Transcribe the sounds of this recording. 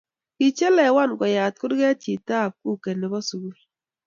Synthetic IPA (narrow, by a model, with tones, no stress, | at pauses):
ki˨t͡ʃɛ˦lɛ˨wa˦˨nɡɔ˨ja˨t̚kʊ˦dɡɛ˦t͡ʃi˨ta˦˨p̚ku˦˨kɛ˨nɛ˨bɔ˦su˨ɡu˦l